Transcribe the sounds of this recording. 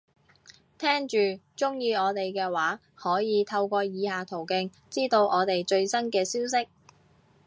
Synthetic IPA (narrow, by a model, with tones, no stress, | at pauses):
t̪ʰɛː˥ŋt͡ʃyː˨t͡ʃʊ˥ŋjiː˧ɔː˨˧t̪e˨jkɛː˧waː˨˥ | hɔː˨˥jiː˨˧t̪ʰɐ˧wkʷɔː˧jiː˨˧haː˨t̪ʰo˨˩wkɪ˧ŋ | t͡siː˥t̪o˧wʔɔː˨˧t̪e˨jt͡ʃɵ˧ɥsɐ˥nkɛː˧siː˥ws̬ɪ˥k̚